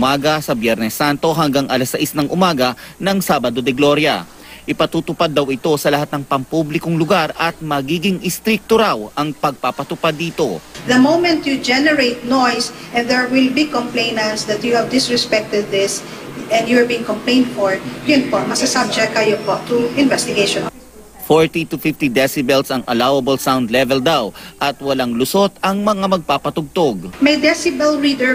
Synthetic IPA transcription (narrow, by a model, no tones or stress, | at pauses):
maːɡɐsɐbjɛɾnɛsːant̪o̞ɦɐŋɡaŋʔɐlɐsɐʔisnɐŋʔʊmaːɡɐnɐŋsaːbɐd̪o̞d̪ɛɡloɾjɐ̰ | ʔɪpɐt̪uːt̪ʊpad̪ːɐwɪt̪o̞sɐlɐhat̪̚nɐŋpɐŋpublɪkoŋlʊɡaɾɐt̪̚mɐɡiːɡɪŋʔɪst̪ɾɪk̚t̪oɾawɐŋpɐɡ̚papɐt̪ʊpad̪ːiːt̪o̞ðɐmowmɛ̃nt̪jud͡ʒɛnɛɹejt̪̚nojsʔɛ̃nd̪ɛɹwɪlbikɔ̃mplẽɪnɐnsd̪ɐt̪juhɛvd̪ɪsɹɛspɛk̚t̪ɛd̪̚ːɪs | ʔɛ̃nd̪juɹbiɪ̃ŋkɔmplẽɪ̃nd̪fɔɹjʊnpomɐsɐsab̚d͡ʒɛkkːɐjʊnpoʔt̪uɪ̃nvɛst̪ɪɡeʃɔ̃n | foɹt̪it̪ʊfɪft̪id̪ɛsɪbɛlsɐŋɐ̰lawɐbɐlsawnd̪lɛvɛld̪awʔɐt̪wɐlaŋlʊsot̪ɐŋmɐŋamɐɡ̚paːpɐt̪ʊɡ̚t̪oɡ̚majd̪ɛsɪbɛlɹid̪ɛɹ